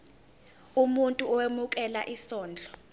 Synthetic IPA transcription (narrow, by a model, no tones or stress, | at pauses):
umuntʼuɔwemuk̬ʼɛlaʔisɔːnd͡ɮʱɔ